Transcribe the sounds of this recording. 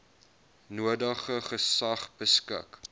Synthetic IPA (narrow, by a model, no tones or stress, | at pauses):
nuədəχəχəsɐχbəskə̰k